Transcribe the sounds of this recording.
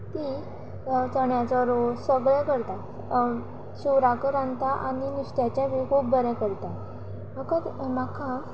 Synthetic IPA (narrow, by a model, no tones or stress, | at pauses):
t̪i | t͡səɳjat͡sɔɾosəɡɭɛ̃kəɾt̪a | ɕuʋɾakəɾant̪aʔaɽ̃iniɕʈjat͡ɕjãʋikuːp̚d̪ʱəɾɛ̃kəɾt̪a | məkət̪makʰã